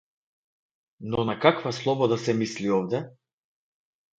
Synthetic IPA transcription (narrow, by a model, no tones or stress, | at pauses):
nɔnakakvaslˠɔbɔd̪asɛmisliɔvd̪ɛ